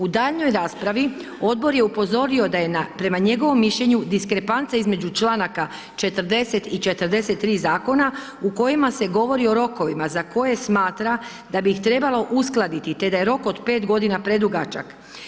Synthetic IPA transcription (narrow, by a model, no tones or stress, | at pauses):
ud̪aːʎno̞jɾaːspɾaʋi | o̞d̪̚bo̞ɾje̞upo̞zo̞ɾio̞d̪aje̞napɾe̞maɲe̞ɡo̞ʋo̞mːiʃʎe̞ɲud̪iskɾe̞pant̪saizme̞d͡ʑut͡ʃlˠaːnaka | t͡ʃe̞t̪əɾd̪e̞se̞t̪it͡ʃe̞t̪ɾ̩d̪e̞se̞t̪ːɾiːzaːko̞na | uko̞jimase̞ɡo̞ʋo̞ɾio̞ɾo̞ko̞ʋimazako̞je̞smaːt̪ɾa | d̪abiːxt̪ɾe̞balo̞ʔusklˠad̪it̪it̪e̞d̪aje̞ɾo̞ko̞d̪peːt̪ɡo̞d̪inapɾe̞d̪uɡat͡ʃa̰k